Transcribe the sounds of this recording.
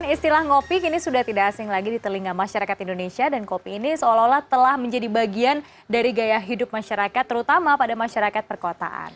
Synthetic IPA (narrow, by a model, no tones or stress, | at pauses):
nist̪ilahŋopikinisudaht̪idakːsɪŋlaɡidit̪əliŋamaʃaɾakat̪indonesiadankopiːnisəolaolaht̪əlahməɲd͡ʒadibaɡian | daɾiɡajahɦidʊp̚maʃaɾakat̪ːəɾut̪amapadamaʃaɾakat̪̚pərkot̪a̰ʔa̰n